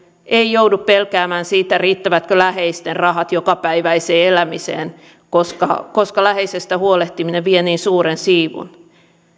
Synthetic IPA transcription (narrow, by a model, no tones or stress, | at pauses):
ʔeijouduppelkæːmæːnsiːt̪ːæriːt̪ːæʋæt̪kølæheist̪errɑɦɑt̪jokɑpæiʋæiseːelæmisḛːn | koskɑ̰koskɑlæɦeisest̪æhuoleht̪imineʋʋieniːnsuːɾensiːʋṵn